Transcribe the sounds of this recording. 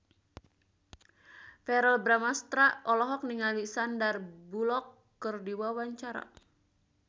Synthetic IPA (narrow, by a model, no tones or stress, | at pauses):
fɛɾəlbɾamast̪ɾaɔlɔɦɔk̚niŋalisandarbulɔkː | ɨrdiwawaɲt͡ʃaɾa̰